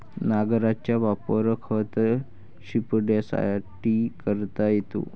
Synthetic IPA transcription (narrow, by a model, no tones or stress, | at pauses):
naɡɾat͡ɕjaʋapəɾkʰət̪ | ɕipɖasa̰jaʈːikəɾt̪ajet̪o̰